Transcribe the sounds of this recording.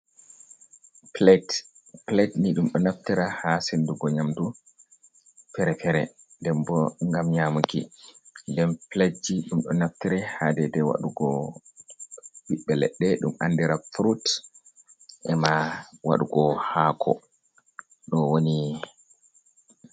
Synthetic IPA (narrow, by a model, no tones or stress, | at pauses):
plɛt | pletniɗumɗɔnaftiɾahasenduɡɔɲamdu | pɛɾɛpɛɾɛ | ndɛmbɔŋɡamɲamukḭndɛmpletd͡ʒiɗumɗɔnaftiɾɛhadɛdɛwa̰ɗuɡɔ | wiɓːɛlɛ̰ɗːɛɗuma̰ndiɾafɾut | ʔɛmawa̰ɗuɡɔhakʰɔ̰ | ɗɔwoni